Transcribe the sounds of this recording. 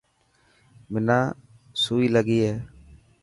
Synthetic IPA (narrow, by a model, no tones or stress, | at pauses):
mɪnaː | suːiːləɡiːɦɛː